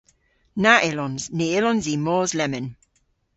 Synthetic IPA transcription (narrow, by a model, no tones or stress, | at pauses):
naʔɪlɔnzneːɪlɔnziːmɔːzlɛmɪn